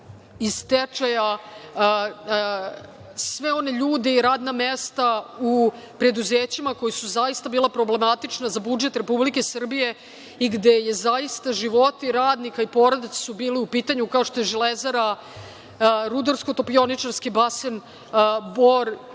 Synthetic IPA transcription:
ist̪et͡ʃaja | sʋeo̞ne̞ʎuːd̪eiɾaːd̪namest̪au | pɾe̞d̪uzeːt͡ɕimako̞jisuzajist̪abiːlˠapɾo̞ble̞mat̪it͡ʂnazabud͡ʒe̞t̪ɾe̞publike̞sr̩bije̞ | iɡd̪e̞je̞zajist̪aʒiʋo̞t̪iɾaːd̪nikaipo̞ɾad̪it̪ssubiːliupiːt̪aɲukaoʃt̪o̞jeʒilezaɾa | ɾud̪oɾsko̞t̪o̞pio̞nit͡ʃaɾskibasen | boɾ

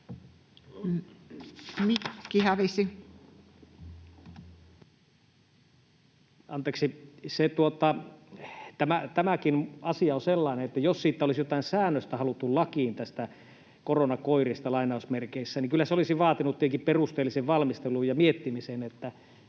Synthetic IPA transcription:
mikːihæʋisi | ɑnt̪eːksiset̪uot̪ɑ | t̪æmæt̪æmækinɑsiɑonselːɑineet̪ːæjossiːt̪ːæolisjot̪ɑˑinsæːnːøst̪æhɑlut̪ːullɑkiːnt̪æst̪æ | koronɑkoirist̪ɑlɑinɑˑusmerkeisːæniŋkylːæseolisiʋɑːt̪inut̪ːiheŋkipperust̪eːlːiseʋʋɑlmist̪eluːjjɑmiet̪ːimisenet̪ːæ

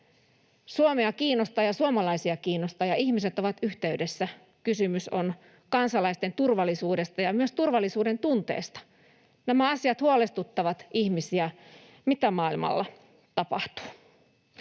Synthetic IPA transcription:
suomeɑkiːnost̪ɑːjɑsuomɑlɑisiɑkiːnost̪ɑːjɑʔihmiset̪oʋɑt̪yht̪eyde̞sːæ | kysymyson | kɑnsɑlɑist̪e̞nt̪urʋɑlːˑisuːde̞st̪ɑjɑmyøst̪urʋɑlːisuːde̞nt̪unt̪ḛːst̪ɑ̥ | næmæɑsiɑt̪huolest̪ut̪ːɑʋɑt̪ihmisiæ | mit̪æmɑːilmɑ̰lːɑ | t̪ɑpɑ̰ht̪u̥ː

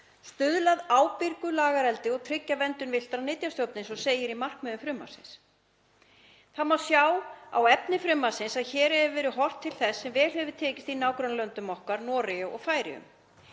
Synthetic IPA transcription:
st̪ʏðlaðaːwpɪɾkʏlaːɣaɾɛlt̪ɪɔɣt̪ʰɾɪcːavɛnt̪ʏnvɪl̥t̪ɾanɪt̪jast̪jɔwpnɪnsɔɣseːjɪɾimar̥kmœðʏmfɾʏmːa̰̥sɪns | θaðmawsjaːwa̰wɛpnɪfɾʏmːasɪnsaðçɛːɾɛvɪvɛːɾʏɦɔr̥t̪ʰːɪlθɛsːɛmvɛːlhɛvʏ̥t̪ʰɛːcɪst̪inaːwkɾœnlœnt̪ʏmɔhkaɾnɔːɾɪʏɔ̰ɣfaːjɾɪ̰ʏ̰m

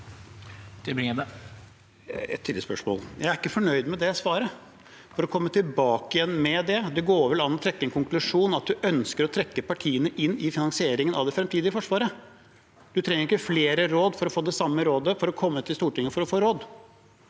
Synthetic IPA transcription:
t̪ʰɪbɾɪəd̪ɛ | ɛ̰t̪ʰːɪləspœ̰ʂmo̰ːljæ̰ɪæɾɪkːəfɔɳœʏd̪mɛd̪ɛɔsʋɑːɾə | fɔɾɔkʰɔmːət̪ʰɪlbɑːkɪjɛnːmɛd̪ɛd̪ɛɡoːʋɛlɑnːɔt̪ʰɾɛkːəɛnkʰʊŋklʉʂuːnɑt̪̚d̪ʉʔœnskəɾɔt̪ʰɾɛkːəpɑʈʰiːənəʔɪnːɪfɪnɑŋsɪeːɾɪŋənɑ̰ʋd̪ɛfɾɛmt̪ʰiːd̪ɪfɔʂʋɑːɾə | d̪ʉt̪ʰɾɛŋːəɾɪkːəfleːɾəɾoːd̪fɔɾɔfoːd̪ɛsɑmːəɾoːd̪əfɔɾɔkʰɔmːət̪ʰɪlst̪uːʈɪŋːəfɔɾɔfoːɾoːd̪

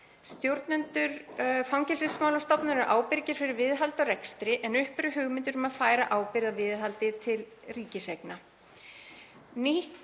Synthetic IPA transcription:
st̪jowɾt̪nɛnt̪ʏɾfawŋcɛlsɪsmaːwlast̪ɔpnaɾɾʔa̰ːwpɪɾcɪɾ̥fɪɾɪɾvɪðɦalt̪ɔɾɛkst̪ɾɪʔɛnʏhpɾʏɦʏɣmɪnt̪ʏɾʏmaðfaːjɾaʔaːwpɪɾðavɪðɦalt̪ɪt̪ʰɪl | riːcɪsejkna | nih

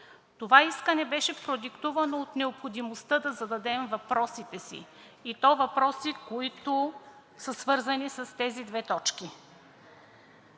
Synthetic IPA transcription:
t̪ovaiskənɛbɛʃɛfpɾod̪ikt̪uvɐnoːt̪nɛopxod̪imost̪ɤd̪ɐzɐd̪ɐd̪ɛmvɐpɾɔsit̪ɛsḭː | t̪ɔvɐpɾɔsikoit̪ʊ | səsvɤɾzɐnisɐst̪ɛzid̪vɛt̪ɔt͡ʃki

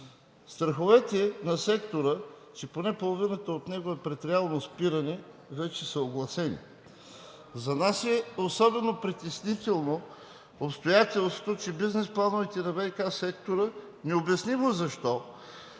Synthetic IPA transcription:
st̪ɾɐxovɛt̪ɛɛnɐsɛkt̪oɾə | t͡ʃɛponɛpolˠovinət̪əot̪nɛɡoɛpɾɛt̪ɾʲalˠnospiɾɐnɛ | vɛt͡ʃɛsəoɡlˠɐsɛnḭ | zɐnasɛosɔbɛnopɾit̪ɛsnit̪ɛlˠno | opst̪ojat̪ɛlˠst̪ot̪ot͡ʃɛbiznɛsplˠanovɛt̪ɛnɐvɛjkasɛkt̪oɾə | nɛobjɐsnivozɐʃt̪ɔ

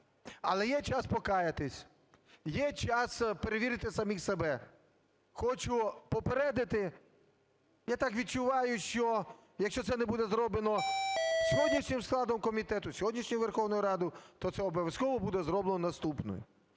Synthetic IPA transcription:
ɐlˠɛjɛt͡ʃɑspɔkɑjɐt̪ɪsʲ | jɛt͡ʃɑspeɾeʋʲiɾɪt̪ɪsɐmʲixsebɛ | xɔt͡ʃʊpɔpeɾɛd̪ɐt̪ɪ | jat̪ɑkʋʲid̪̚t͡ʃʊʋɑjʊʃt͡ʃɔ | jɐkʃt͡ʃɔt̪sɛnɛbud̪ɛzɾɔblˠenɔsʲɔɦɔdʲnʲiʃnʲɪmsklˠɑd̪ɔmkɔmʲit̪ɛt̪ʊsʲɔɦɔdʲnʲiʃnʲɔjʊʋerxɔwnɔjʊɾɑd̪ʊt̪ɔt̪sɛɔbɔʋʲjɐskɔʋɔbud̪ɛzɾɔblˠenɔnɐst̪upnɔ̰jʊ̰

